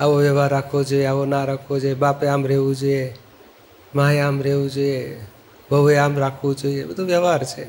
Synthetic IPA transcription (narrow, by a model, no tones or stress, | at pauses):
aʋoʋjəʋaɾːakʰʋod͡ʒoieaʋonaɾakʰʋod͡ʒojebapeamɾeʋũd͡ʒoije | maeamɾeʋũd͡ʒoie | bʱəʋeamɾakʰʋõd͡ʒoiebəd̪ʱoʋjəʋaɾt͡ʃʰe